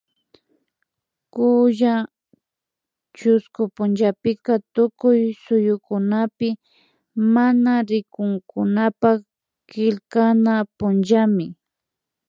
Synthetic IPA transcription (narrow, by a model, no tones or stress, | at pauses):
kʊja | t͡ʃʊskʊpʊnd͡ʒapɪkat̪ʊkʊjsʊjʊkʊnapɪ | manaɾɪkʊŋkʊnapa | kɪlkanapʊnd͡ʒamɪ